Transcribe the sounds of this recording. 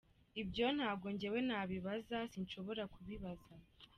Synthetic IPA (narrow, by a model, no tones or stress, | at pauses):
ibɟo̞n̥haːbɡo̞ɲɟewe̞naːβiβazasinʃo̞βo̞ɾakuβiβaza